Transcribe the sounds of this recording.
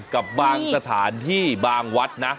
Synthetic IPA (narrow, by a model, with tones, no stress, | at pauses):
ka˨˩p̚baː˧ŋsa˧t̪ʰaː˩˦nt̪ʰiː˥˩baː˧ŋwa˦˥t̪̚na˦˥